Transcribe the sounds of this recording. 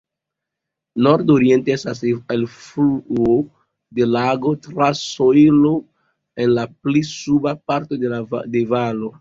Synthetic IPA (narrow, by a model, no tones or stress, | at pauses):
no̞ɾdoɾie̞nteestas̬elfluo | de̞laɡo̞tɾasojlo | e̞nlaplisubapaɾto̞dede̞valo̞